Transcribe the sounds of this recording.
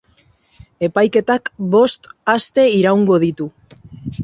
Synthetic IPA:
e̞pajke̞t̪akbo̞st̪ast̪e̞iɾawŋɡo̞ðit̪u

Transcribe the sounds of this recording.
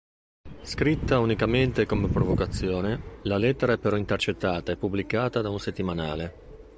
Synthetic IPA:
skɾit̪ːaunikament̪ekomepɾovokat̪sːjɔːnelalɛt̪ːeɾaɛpːeɾɔint̪ert͡ʃet̪ːaːt̪aepːubːlikaːt̪ad̪aunset̪ːimanaːle

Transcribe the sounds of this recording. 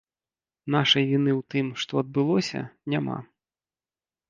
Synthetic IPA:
naʂɐjvʲinɨwt̪ɨmʂt̪ɔɐd̪̚bɨlˠɔsʲɐ̰nʲama̰

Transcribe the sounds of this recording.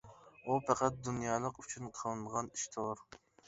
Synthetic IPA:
upʰæqæt̪̚d̪unjɑːlˠəqyt͡ʃʰynqʰəlˠɨnʁɑniʃt̪ʰoʁʊɾ

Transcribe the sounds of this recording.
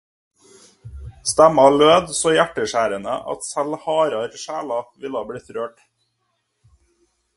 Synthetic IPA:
st̪æmɑløːd̪soːjæʈəʃæːɾənə̰ʔɑ̰t̪sælhɑːɾɑɾʃæːlɑʋɪlɑːbɽiːt̪ɾøːʈ

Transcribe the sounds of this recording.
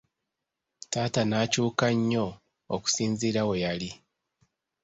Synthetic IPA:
taːtanaːcuːkaɲːo̞ | oku̥siːnziːɾawejali

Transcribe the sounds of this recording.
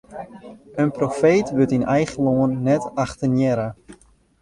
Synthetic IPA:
ənprofeːtʋøtinɛjχəloənːɛtaχtənjɛɾa

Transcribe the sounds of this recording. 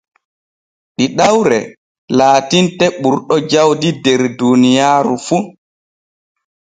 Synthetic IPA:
ɗiɗawɾɛ̰ | laːtintɛɓuɾɗɔd͡ʒawdidɛɾdunijaːɾufu

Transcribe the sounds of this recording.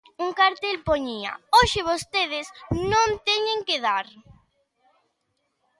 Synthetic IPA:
uŋkaɾt̪elpoɲiɐ̰oʃɪβ̞ost̪eð̞ɪsnõnt̪ɛɲeŋkeðaɾ

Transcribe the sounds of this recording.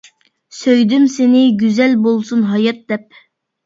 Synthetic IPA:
søjd̪ymsenɪɡʲyzɛlbolˠsunɦɑjɑt̪̚d̪ɛp̚

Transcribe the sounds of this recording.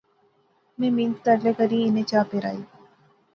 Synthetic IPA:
mẽːmiːnst̪əɽlekəɾĩɪnẽt͡ʃaːpeɾa̰ːiː

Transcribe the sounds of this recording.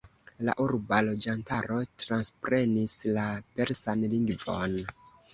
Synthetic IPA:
la̰ʔuɾbalo̞d͡ʒantaɾo̞tɾanspɾe̞nislape̞ɾsanliŋɡvo̞̰n

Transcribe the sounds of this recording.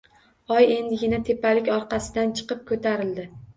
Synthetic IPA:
ɒje̞nd̪ɪɡʲɪnat̪ʰe̞pːalɪkʲɒɾqɑsɪd̪ant͡ʃʰɨ̥qɨp̚kʰot̪ʰaɾɪld̪ɪ

